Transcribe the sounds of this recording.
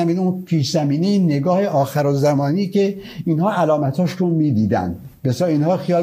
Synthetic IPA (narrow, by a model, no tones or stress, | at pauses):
æmiːnunpʰiːʃzæmiːnineɡɒːheʔɒːxæɾozæmɒːniːke | inhɒːʔælɒːmæt̪ʰhɒːʃɾunmiːd̪iːd̪æ̰nd̪ | besɒːiːnhɒːxijɒː